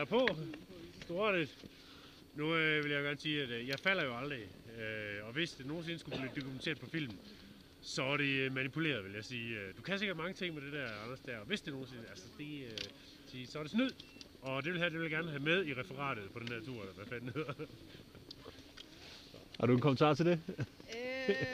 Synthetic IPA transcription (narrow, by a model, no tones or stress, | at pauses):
æpʰɔ | sd̥oɾ̥e̥ | nuʋe̝ljɑ̈ɡ̥æɐːnsiːæd̥jɑ̈ɪfæl̰ɐjo̝ɑ̈ld̥ʁiøɒ̽ʋe̝sd̥e̝no̝ːn̩se̝nəsɡ̥ub̥lid̥o̝kʰument͡sʰe̝ɐpʰɒ̽fil̰mn̩ | sɒ̽ɐɾ̥e̝mænipʰule̝̰ːɐðˠʋe̝ljɑ̈ɪsiːød̥ukʰæse̝ɡɐd̥̚mɑ̈ŋət͡sʰe̝ŋ̰med̥e̝dæɐɑ̈nɐsd̥æɐ̰ɒʋe̝sd̥e̝no̝ːn̩se̝nəælsɐd̥e̝ø | siːsɒ̽ɐɾe̝snyð̰ˠ | ɒ̽d̥e̝ʋe̝lɦæd̥e̝ʋelɡæɐnəɦæmeð̞ˠiʁɛfɐʁɑ̰̈ːd̥ð̞̩ˠpʰɒ̽denhæɐ̰t͡sʰuɐ̰lɐd̥æfæl̰neðˠɐ | hɑ̈ɾuenkʰɔmən̩t͡sʰɑ̰̈ːt͡sʰe̝ld̥e